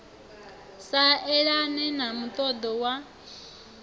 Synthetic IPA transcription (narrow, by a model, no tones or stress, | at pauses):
saɛɺanɛnamut̪ʼɔd̪ɔwa